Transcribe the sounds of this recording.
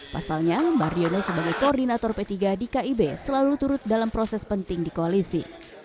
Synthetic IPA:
pa̰salɲamaɾionosəbaɡajkoɔrdinat̪ɔrpet̪iɡadikaibesəlalut̪uɾʊt̪̚dalampɾɔsɛspənt̪ɪŋdikoalisḭ

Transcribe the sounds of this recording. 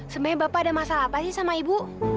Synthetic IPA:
səməɲabapaːdamasalapasihsamaibu

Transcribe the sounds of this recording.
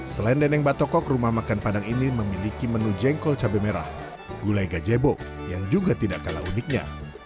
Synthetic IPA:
səlɛndɛnɛŋbat̪ɔkɔkrumahmakanpadaŋiniməmilikimənud͡ʒɛŋkɔlt͡ʃabemeɾa̰h | ɡ̥ulajɡad͡ʒebɔ | jaŋd͡ʒuɡat̪idaʔkala̰ʔunɪk̚ɲa̰

